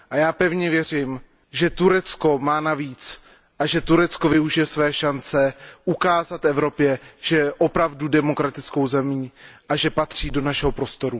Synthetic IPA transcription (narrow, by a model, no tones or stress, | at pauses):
ʔajaːpɛvɲɛvjɛr̝ɪm | ʒɛt̪uɾɛt͡sko̞maːnaviːt͡s | ʔaʒɛt̪uɾɛt͡sko̞vɪuʒɪjɛsvɛːʃant͡sɛʔukaːzat̪ɛvɾo̞pjɛʒ̥ɛʔopɾavdudɛmo̞kɾat̪ɪt͡sko̞wzɛmiːʔaʒɛpat̪r̝̥iːdo̞naʃɛɦo̞pɾo̞st̪o̞ɾu